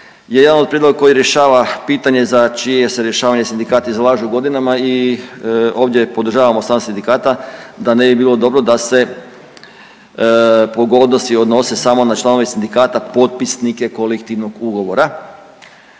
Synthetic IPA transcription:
jeje̞d̪anod̪̚pɾied̪loɡako̞jiɾje̞ʃaːʋapiːt̪aɲe̞zat͡ʃije̞se̞ɾje̞ʃaːʋaɲe̞sind̪ikaːt̪izlˠaːʒuuɡo̞d̪inamai | o̞ːʋd̪ʲje̞pod̪ɾ̩ʒaːʋamost̪ansind̪ikaːt̪ad̪ane̞bibiːlˠo̞d̪o̞bɾo̞d̪ase̞ | poɡod̪no̞siod̪no̞se̞samo̞nat͡ʃlˠano̞ʋesind̪ikaːt̪apo̞t̪̚pisnike̞ko̞lekt̪iʋno̞ɡuɡo̞ʋo̞ɾa

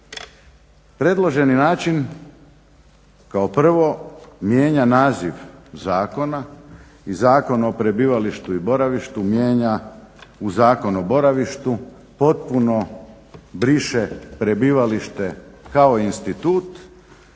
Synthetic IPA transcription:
pɾe̞d̪lˠoʒe̞ninaːt͡ʃin | kaopr̩ʋo̞mjeːɲanaːziʋzaːko̞na | izaːko̞nopɾe̞biːʋaliʃt̪uibo̞ɾaʋiʃt̪umje̞ːɲauzaːko̞nobo̞ɾaʋiʃt̪u | po̞t̪̚puno̞ | bɾiʃepɾe̞biːʋaliʃt̪e̞kao̞iinst̪it̪uːt̪

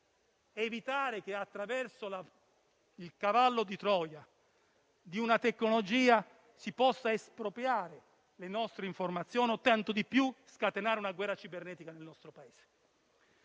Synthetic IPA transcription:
vit̪aːɾek̟eat̪ːɾavɛrsola | ilkavalːod̪it̪ɾɔːja | d̪iunat̪ekːnolod͡ʒiːa | sipɔsːaespɾopɾjaːɾe | lenɔst̪ɾeiɱformat̪sːjɔːnot̪ant̪od̪ipjuskat̪enaːɾeunaɡwɛrːat͡ʃibernɛːt̪ikanelnɔst̪ɾopaeːz̥e̥

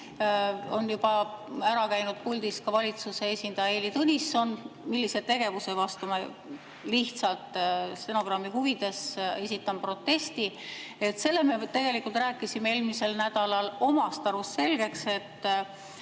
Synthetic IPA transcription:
o̞njub̥ɑæɾɑkæjnud̪̥̚pulʲd̪̥iskɑvɑlʲit̪suse̞esʲind̪̥ɑjɑelit̪unʲisːo̞nmilːise̞t̪e̞ɡ̥e̞vuse̞vɑst̪ume | liht̪sɑlt̪ˑst̪eno̞ɡ̥rɑmːiɦuvid̪̥e̞se̞sʲit̪ːˑɑmpro̞t̪ːe̞st̪ie̞t̪se̞lːe̞me̞t̪e̞ɡ̥e̞likːˑult̪ræːkːˑisimeeːlmise̞lnæd̪̥ɑlɑlo̞mɑst̪ɑɾusse̞lɡ̥e̞kse̞t̪ːˑ

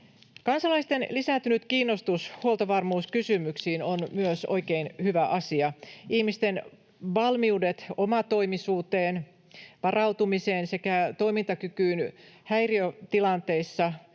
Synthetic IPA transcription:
kɑnsɑlɑist̪enlisæˑnt̪ynyt̪kiːnːost̪ushuolt̪ɑʋɑrmuːskysymyksiːnonmyøso̞̰ikeinhyʋæʔɑsiɑihmist̪en | ʋɑlmiudet̪omɑt̪o̞imisuːt̪eːn | ʋɑrɑut̪umiseːnsekæt̪ojmint̪ɑkykyːnhæjriøt̪ilɑnt̪e̞isːɑ

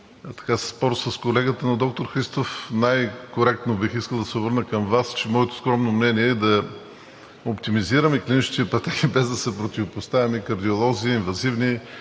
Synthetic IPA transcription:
t̪ɐ̥kasspɔɾsɐskolɛɡət̪ənɐd̪ɔk̚t̪oɾxɾist̪ofnajkoɾɛk̚t̪nobixiskəlˠd̪ɐsɛʊbɤɾnəkɐmvast͡ʃɛmɔɛt̪oskɾɔmnomnɛniɛd̪ɐ | opt̪imiziɾəmɛklʲinit͡ʃt̪it̪ɛpɐt̪ɛkibɛzd̪ɐsɛpɾot̪ʲivopost̪avimɛkɐɾd̪iolˠɔziiːnvɐzivni

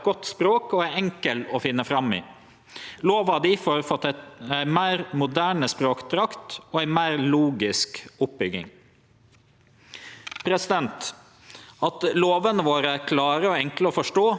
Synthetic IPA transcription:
ɡ̥ɔt̪ːspɾoːkɔæɾɛŋkəlɔfɪnːəfɾɑmɪ̰ː | loːʋɑd̪ɪfɔɾfɔt̪ːɛt̪æɪmæːɾmʊd̪æːɳəspɾoːkt̪ʰɾɑkt̪ɔæɪmæːɾluːɡɪskʊp̚bʏɡɪ̰ŋ | pʰɾɛsɪd̪ɛnt̪ | ɑt̪loːʋənəʋoːɾəæɾkʰlɑːɾəɔɛŋkləɔfɔʂʈoː

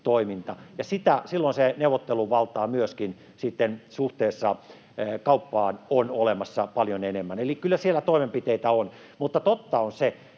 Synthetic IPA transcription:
t̪oimint̪ɑjɑsit̪æsilːonseneuʋːˑot̪ːeluʋɑlt̪ˑɑːmyøskin | sit̪ːensuht̪eːsːɑ | kɑupːɑːnonolemɑsːɑpɑljonenemːænelikkylːæsielːˑæt̪oimempit̪eit̪æon | mut̪ːɑt̪ot̪ːɑonse

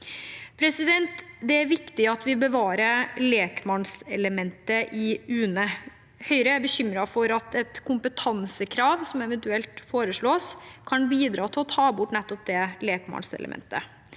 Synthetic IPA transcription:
pʰɾɛsɪd̪ɛnt̪d̪ɛæɾʋɪkt̪ɪɑt̪ʋɪbəʋɑːɾəɾleːkmɑnsɛləmɛnt̪əʔɪʉːnə | hœʏɾəæbəɕʏmɾɑfɔɾɑt̪ɛt̪kʰʊmpət̪ʰɑnsəkʰɾɑːʋsɔmɛʋɛnt̪ʉɛlt̪foːɾəʂɭoːskʰɑnbiːd̪ɾɑːt̪ʰɪlɔt̪ʰɑːbʊʈnɛt̪ːɔp̚d̪ɛleːkmɑ̰nsɛ̰lə̰mʔɛ̰nt̪ə

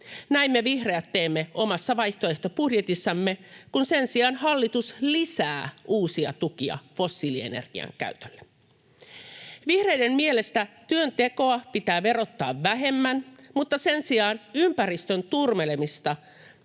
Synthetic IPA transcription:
næimːeʋihreæt̪ːe̞ːmːeʔo̞mɑsːɑʋɑjht̪oe̞ht̪o̞pudje̞t̪isːɑmːe̞kunsensiɑːnhɑlːit̪uslisæːʔuːsiɑ̰t̪ukiɑ̰fo̞sːiːliḛnḛrɡ̥ḭɑ̰ŋkæ̰yt̪ølːe | ʋihre̞jde̞mmie̞le̞st̪æt̪yønt̪e̞ko̞ɑpit̪æːʋe̞ɾo̞t̪ːɑ̰ːʋːæɦe̞mːænmut̪ːɑse̞nsiɑːnympærist̪ø̞nt̪urme̞le̞mist̪ɑ

